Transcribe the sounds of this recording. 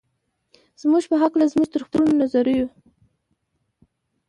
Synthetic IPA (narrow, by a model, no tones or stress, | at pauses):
z̥muʒpəɦaklazmuʒt̪əɾxt̪uɾunonazaɾuju